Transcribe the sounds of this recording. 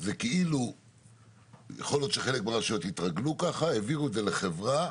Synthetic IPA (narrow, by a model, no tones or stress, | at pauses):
zekeilu | jeχo̞ljo̞t̪ʃeχe̞lekmeʁaʃijo̞t̪it̪ʁaɡlukaχaeviʁued̪zeleχevʁa